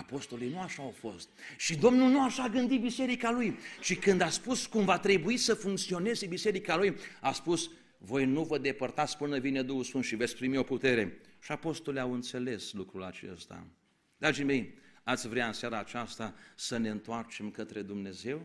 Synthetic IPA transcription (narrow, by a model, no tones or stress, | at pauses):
apo̞st̪o̞lijnuaʃaːwfo̞st̪̚ʃid̪o̞mnulnuaʃaɡɨnd̪ibise̞ɾikalujt͡ʃikɨnd̪aspuskumvat̪ɾe̞buisəfuŋk̚t̪sio̞ne̞zebise̞ɾikalujaspus | vo̞jnuvəd̪e̞pərt̪at̪sʲpɨnəvine̞d̪uhusfɨnʃive̞t̪sʲpɾimio̞put̪e̞ɾe̞ʃiapo̞st̪o̞liawɨnt̪se̞le̞slukɾula̰t͡ʃe̞̰st̪a̰ | d̪ɾad͡ʒime̞jat̪sʲvɾeaɨnsaɾaːt͡ʃast̪asəne̞ɨnt̪oart͡ʃe̞mkət̪ɾe̞d̪umne̞ze̞w